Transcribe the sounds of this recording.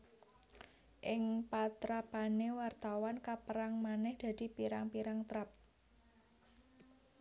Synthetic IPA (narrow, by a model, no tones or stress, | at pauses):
ʔɪŋpat̪ɾapanewart̪awankapəɾaŋmanɛhd̪̥a̤d̪̥i̤piɾaŋpiɾaŋt̪ɾap̚